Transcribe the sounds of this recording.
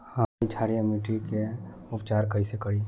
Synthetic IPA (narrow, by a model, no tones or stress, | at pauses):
hait͡ʃʰaɾijamiʈikeʊpt͡ʃaːɾkəjsekəɾi